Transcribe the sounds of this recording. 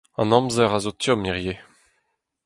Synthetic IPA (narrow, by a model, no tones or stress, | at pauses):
ɑ̰̃nɔ̃mzɛʁazot̪ʰjɔmiʁje